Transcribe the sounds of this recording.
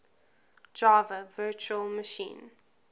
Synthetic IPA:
d͡ʒaːvəvɜːˑt͡ʃuəlˠməʃḭ̃ːn

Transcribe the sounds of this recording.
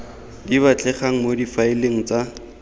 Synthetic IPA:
diβat͡ɬʼɛχaŋ̩modifaɪleŋ̩t͡sa

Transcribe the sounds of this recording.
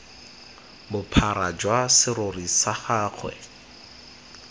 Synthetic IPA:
bʊpʰaɾad͡ʒwasɪɾʊrisaχaːχʰwɛ̰

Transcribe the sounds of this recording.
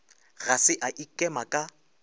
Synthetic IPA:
ɣasɪʔaʔikʼɛmakʼa

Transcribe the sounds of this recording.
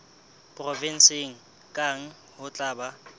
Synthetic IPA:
pʼrɔvɪn̩sɪŋ̩ | kʼaŋ̩ | hʊt͡ɬʼaːba

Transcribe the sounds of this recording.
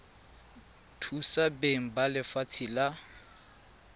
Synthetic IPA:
tʰusabeŋ̩balɪfat͡sʰila

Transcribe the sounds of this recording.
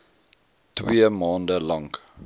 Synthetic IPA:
twiəmɑːndəlɐŋ

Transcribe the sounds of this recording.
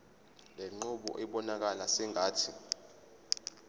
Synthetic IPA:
leŋ͡ǃuɓɔ̰ʔɛɓɔnak̬alasɛŋʱaːtʰi

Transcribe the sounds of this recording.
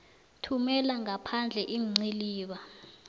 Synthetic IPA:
tʰumɛlaŋapʰand͡ɮʱɛʔim̩ŋ͡ǀiliːɓa

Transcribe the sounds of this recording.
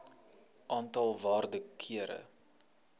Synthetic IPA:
ʔɑːntɐlˠvɑːrdəkʰiəɾə̰

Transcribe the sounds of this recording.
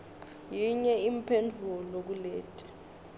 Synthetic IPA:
jiɲɛimpʰend͡zʱuɔlok̬ulɛːtʼɛ̥

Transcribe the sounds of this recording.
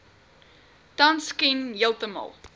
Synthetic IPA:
tɐnskinjilˠtəmɑ̰lˠ

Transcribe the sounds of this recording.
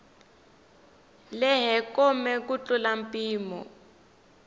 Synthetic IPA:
lɛɦɛkɔmɛkut͡ɬulampʼiːmɔ̰

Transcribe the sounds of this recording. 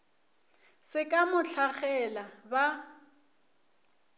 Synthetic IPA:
sɪkʼamʊt͡ɬʰaχɛlaba

